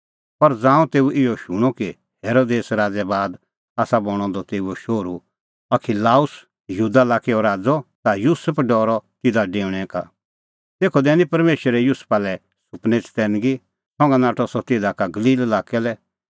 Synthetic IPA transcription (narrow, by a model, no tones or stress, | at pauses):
pɐɾd͡zãːũt̪eːuʔɪjɔʃʊɽ̃ɔki | heːɾoːd̪eːsɾaːd͡zɛbaːd̪ | aːsabɔɽ̃ɔ̃d̪ɔt̪eːuɔʃoːɾu | ɐkʰilaːʊs | jəɦuːd̪alaːkɛɔɾaːd͡zɔt̪ajuːsəpʰɖɔːɾɔt̪ɪd̪aɖẽːʋɽ̃ɛ̃ka | t̪eːkʰɔd̪ɛːnĩpɐɾmeːʃəɾɛjuːspalɛ | sʊpnɛt͡st̪ɛːnɡi | sɔ̃ŋɡanaːʈʰɔsɔt̪ɪd̪akaɡɐliːlɐlaːkɛlɛ